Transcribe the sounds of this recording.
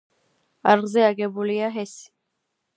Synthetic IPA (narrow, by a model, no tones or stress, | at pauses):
aɾʁzɛaɡɛbulijaɦɛsi̥